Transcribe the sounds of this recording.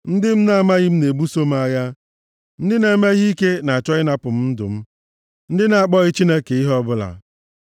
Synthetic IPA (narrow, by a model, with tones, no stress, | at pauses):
n̩˦dɪ˦m̩˦na˦a˦˨ma˦ɣɪ˦m̩˦ne˨bu˦so˦m˦a˦ja˦ | n̩˦dɪ˦ne˦me˦ɣi˦ke˦na˨a˨t͡ʃɔ˦ɣɪ˦na˦pʊ˨m̩˦dʊ̰˨m̩˦ | n̩˦dɪ˦na˨a˨k͡pɔ˦ɣɪ˦t͡ʃi˦ne˦ke˨i˦ɦɔ˦bʊ˦la̰˨